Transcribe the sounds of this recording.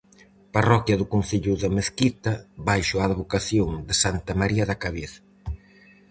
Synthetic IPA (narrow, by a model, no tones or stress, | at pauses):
parɔkjɐðʊkon̟θiʎʊðɐmeθkit̪ɐβajʃʊaːðβokaθjoŋd̪ɪsant̪ɐmaɾiɐðakaβeθ